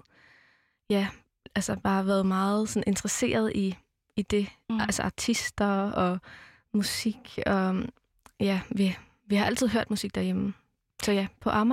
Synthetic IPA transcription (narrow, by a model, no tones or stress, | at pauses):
jæ | ʔælsɐb̥ɑ̈ːʋæːɐð̞̩ˠmɑ̈ːð̩ˠsɒ̽nʔe̝nd̥ʁɐse̝̰ːɐð̞̩ˠiː | d̥e̝ælsəɑ̈t͡sʰisd̥ɐɒ̽ | musiɡ̥ɒ̽ | jæʋi | ʋihɑ̈ʔæl̰t͡sʰið̞̰ˠɦø̰ɐ̰d̥musiɡ̥̚d̥æɐjem̩ | sɒ̽jæpʰɒ̽ʔɑ̈m